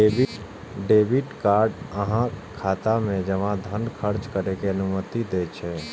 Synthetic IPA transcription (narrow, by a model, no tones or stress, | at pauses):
eb | ɖebiʈkaɾɖəɦãkʰat̪amẽd͡ʒəʋãd̪ʱənkʰəɾt͡ʃkəɾekeənumət̪id̪et͡ʃʰɛ